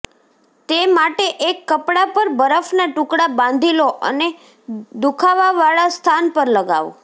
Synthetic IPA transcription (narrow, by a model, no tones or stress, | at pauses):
t̪emaʈeʔekːəpɽapəɾbəɾəfnaʈʊ̃kɽabãnd̪ʱiloʔə̰ne | d̪ukʰaʋaʋaɭast̪ʰanpəɾləɡa̰ʋṵ